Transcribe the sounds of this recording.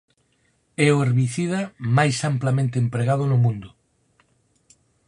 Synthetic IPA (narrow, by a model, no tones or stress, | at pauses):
ɛʊeɾβiθiðɐmajsamplamẽnt̪eempɾeɣað̞ʊnʊmũnd̪ʊ